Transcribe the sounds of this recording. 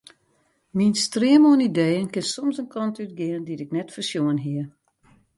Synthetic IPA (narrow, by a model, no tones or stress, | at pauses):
minstrɪəmoənidejənkɪnsɔmsənkɔntyt̚ɡɪənditɪknɛtfərsjuənɦiə